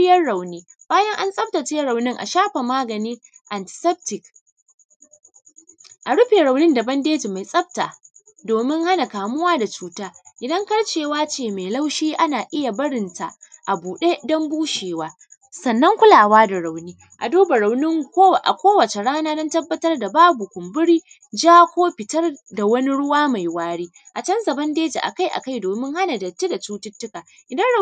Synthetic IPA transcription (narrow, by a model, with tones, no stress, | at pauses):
ɪ˦jɐ˦rɽa˨wniː˦baː˦jɐ˦ŋʔa˦nsʼɐ˦b̚ta˨t͡ʃe˦ɾa˨wnɪ˦ŋʔa̰˨ʃaː˦ɸa˨maː˦ɡɐ˨niː˦ | ʔa˨ntɪ̥˨sɛ˦p̚tɪ˨k | ʔa˨ɽʊ˦ɸeː˨ɾa˨wnɪ˦ndɐ˨bɐ˦ndeː˦ti˨ma˨jsʼɐ˦b̚ta˨ | doː˨mɪ˦ŋha˦na˨kaː˨mʊ˦waː˦da˨t͡ʃuː˨taː˦ʔɪ˨dɐ˦ŋkɐ˦ɽt͡ʃeː˨waː˦t͡ʃeː˨me˨la˦wʃiː˦ʔa˦naː˨ʔɪ˦ja˨bɐ˦ɽɪ˨nta˨ʔa˨buː˨ɗe˦dɔ˦mbuː˦ʃeː˨waː˦ | sɐ˨nːɐ˦ŋkʷʊ˦laː˨waː˦da˨ɽa˨wniː˦ | ʔa̰˨doː˦ba˨ɽa˨wnɪ˦ŋkʷoː˦˨ʔa̰˨kʷoː˦wɐ˨t͡ʃe˨ɽaː˦naː˦dɔ˦ntɐ˦bːɐ˦tɐ˦rda˨baː˦bu˨kʷʊ˨mbʊ˦ɽiː˦ | d͡ʒaː˦kʷoː˦ɸɪ˨tɐ˦rda˨wɐ˦ni˦ɽʊ˦waː˦ma˨jwaː˦ɽiː˦ʔa˨t͡ʃɐ˦nzɐ˨bɐ˦ndeː˦d͡ʒḛ˨ʔa̰˨ka˦jʔa̰˨ka˦jdoː˨mɪ˦ŋha˦na˨dɐ˨tːe˦da˨t͡ʃuː˦tɪ˦tːʊ˦ka˨ | ʔɪ˨dɐ˦n˦